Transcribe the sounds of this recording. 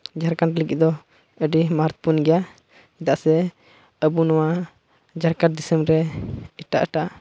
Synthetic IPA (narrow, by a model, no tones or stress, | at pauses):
d͡ʒaɾkaɳʈliɡiʔ̪̚d̪ɔ | əɖimaɾt̪̚punɡɛja | id̪aʔsɛ | əbunɔwa | d͡ʒaɾkaɾ̚d̪isəmɾɛiʈa̰ʔəʈaʔ